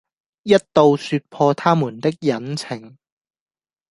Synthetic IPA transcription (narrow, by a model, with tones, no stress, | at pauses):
jɐ˥t̚t̪o˨˧wsyː˧t̚pʰɔː˧t̪ʰaː˥muː˨˩nt̪ɪ˥k̚jɐ˨˥nt͡sʰɪ˨˩ŋ